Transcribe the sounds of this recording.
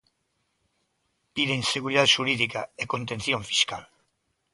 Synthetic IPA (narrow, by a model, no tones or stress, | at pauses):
piðeŋseɣuɾiðaðʃuɾiðika̰ekont̪enθjõɱfi̥skal